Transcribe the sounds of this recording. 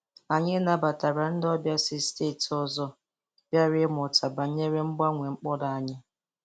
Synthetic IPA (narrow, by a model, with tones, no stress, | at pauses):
a˨ɲɪ˦na˨ba˨ta˨ɾa˨n̩˦dɔ˦bja˦sɪ˦steː˦˨tɔ˦zɔ˦ | b̥ja˦ɾɪ˦mɔ˨tʰa˨ba˨˦ɲe˦ɾe˦ŋ͡m̩˦ɡ͡ba˦ŋʷe˨ŋ͡m̩˦k͡pɔ˦da˨a˦ɲɪ˦